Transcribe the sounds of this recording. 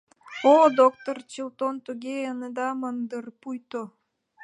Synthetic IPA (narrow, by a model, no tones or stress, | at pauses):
od̪ok̚t̪ort͡ɕilˠt̪ont̪uɡʲeənəd̪ɑmənd̪ərpujt̪o